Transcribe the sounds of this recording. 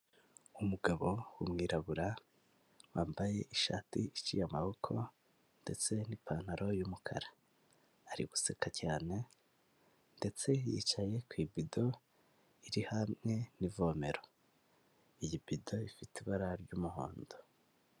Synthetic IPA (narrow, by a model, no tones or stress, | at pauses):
umuɡaβo̞wumŋiːɾaβuɾa | waːmbaje̞ʔiʃa̰ːtiit͡ʃijamaβokʰo̞ | nde̞t͡se̞nipaːn̥haɾʔo̞jumukʰa̰ɾaː | ɾḭɡu̥sekacaːne̞ | nde̞t͡se̞jḭt͡ʃaje̞kwiːbido̞ | iɾihamŋe̞nivo̞ːme̞ɾo | ijibido̞ifitiβaɾaɾɟuːmuho̰ːndo